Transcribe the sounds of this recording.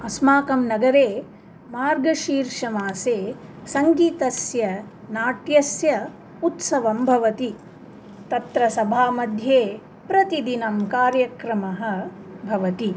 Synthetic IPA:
ɐsmaːkɐmnɐɡɐɾeː | maːɾɡɐʃiːɾʂɐmaːseːsɐŋɡiːt̪ɐsjɐ | naːʈjɐsjɐ | ut̪sɐʋɐmbʱɐʋɐt̪i | t̪ɐt̪ɾɐsɐbʱaːmɐd̪ʱjeː | pɾɐt̪id̪inɐmkaːɾjɐkɾɐmɐɦɐ̆ | bʱɐʋɐt̪i

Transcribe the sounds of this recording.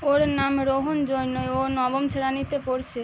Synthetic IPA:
oɾnamɾoɦond͡ʑoɾnoeonɔbomt͡ɕʰeɾanit̪epoɾt͡ɕʰe

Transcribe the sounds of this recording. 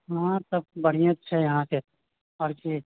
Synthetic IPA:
ɦãt̪ɐb̚bɐɽ̤ijãt̪t͡ʃʰɛjɐɦãse | ɔɾki

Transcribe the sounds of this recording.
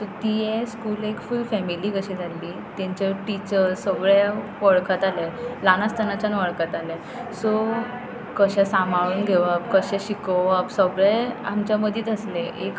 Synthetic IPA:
t̪ət̪ijɛskuːlekfulfɛmiliːkəɕĩd͡zʱalːiː | t̪aɲt͡ɕaʈit͡ɕəɾsəɡɭa | ʋəɭkat̪alɛlanast̪ʰənat͡ɕanʋəɭkat̪alɛ | so | kəɕɛsamʱaɭuːnɡʱeʋəpkəɕɛ̃ɕikəʋəpsəɡɭɛa̰mt͡ɕjaməd̪ʱit̪əslẽek

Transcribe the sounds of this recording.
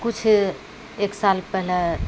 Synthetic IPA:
kut͡ʃʰ | eksalpɛɦlɛ

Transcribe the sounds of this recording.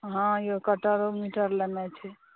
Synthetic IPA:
ɦãjokəʈəɾomiʈəɾlenɛt͡ʃʰi

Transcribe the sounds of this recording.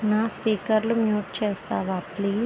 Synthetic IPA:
naːspiːkɐɾlumjuːʈ̚t͡ʃeːst̪aːʋaːpliː

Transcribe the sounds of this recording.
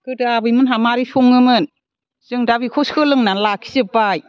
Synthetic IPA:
kɯdabɯjmɯnɦamaɾisoŋɯmɯn | z̥ɯŋdabikʰɔskʰɯlɯŋnanlakʰi̥sɯpaj

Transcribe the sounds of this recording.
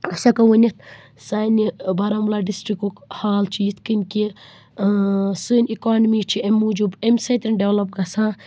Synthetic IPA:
ɐsɐkɐwɐnʲɐt̪̚ʰ | saːnibɐɾɐmlaɖisʈɾikukhaːlt͡ʃʰijit̪ʰkinki | sunʲikaːnmit͡ʃʰiemːud͡ʒubemsɐjt̪ɐnɖewlɐp̚ɡɐsãː

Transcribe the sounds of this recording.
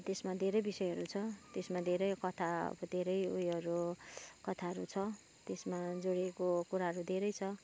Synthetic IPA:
t̪esmad̪ʱeɾʌjbisʌjʌɾut͡sʰʌt̪esmad̪ʱeɾʌjkʌt̪ʰaʌ̰bʌd̪ʱeɾʌjujʌɾukʌt̪ʰaɦʌɾut͡sʰʌ | t̪esmad͡zoɽiekokuɾaɦʌɾud̪ʱeɾʌjt͡sʰʌ

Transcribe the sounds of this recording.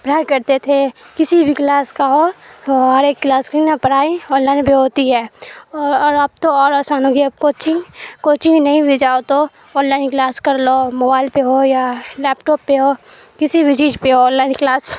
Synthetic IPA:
bɾakɐɾt̪et̪ʰekɪsibʱiklaːskaɦo | aɾeːkkːlaːskɾinapəɾaːiɔ̃ːnlaːɪnpiɦoːt̪iɦɛːɔːɔːɾəb̚t̪oɔːɾɐsaːnõkiɐb̚kot͡ʃikoːt͡ʃiinɐɦĩbid͡ʒaːot̪o | ɔːnlaːɪnklaːskɐɾlomoːbaːɪlpeɦojalɛːpʈɔːpːeɦoːkɪsibid͡ʒiːd͡ʒpeɦoːnlaːɪnklaːs

